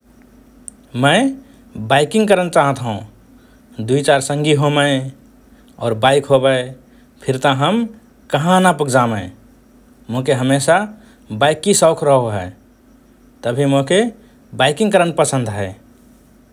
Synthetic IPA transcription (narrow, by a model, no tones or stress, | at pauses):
mə̃ɪ | baɪkɪ̃ŋɡkəɾənt͡ʃaːɦət̪ɦṵ̃ | d̪uit͡ʃaɾsə̃ŋɡiɦomə | ɔ̰ːɾbaɪkɦobə | pʰɪɾt̪əɦəm | kəɦãnapʊkʰd͡ʒaːmə̃ | moɦkeɦəmeːsa | baɪkːisɔʊkʰɾəɦoɦɛː | t̪əbʱimoke | baɪkɪ̃ŋkəɾənpəsə̃nd̪ɦɛː